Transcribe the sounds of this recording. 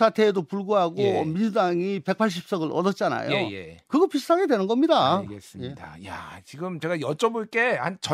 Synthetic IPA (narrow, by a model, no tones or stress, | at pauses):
sʰatʰe̞ːdopuɭɡuɦaɡomind͡ʑudaŋipe̞k̚pʰaɭɕ̬ʰip̚s͈ʌɡɯɭʔʌ̰dʌt͡ɕ͈ana̰jo̰jekɯɡʌpisʰtʰaɡe̞dwe̞nɯnɡʌmɲidaɡes͈ɯjeidajat͡ɕiɡɯmt͡ɕe̞ɡajʌt͡ɕ͈ʌboɭk͈e̞hant͡ɕʌ